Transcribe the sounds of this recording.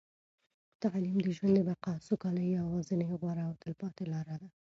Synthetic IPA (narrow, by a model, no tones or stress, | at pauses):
t̪aʕlimd̪əʒwand̪əbaqɑsokɑlajawɑzəneɣwɑɾaːwt̪əlpɑt̪elɑɾad̪a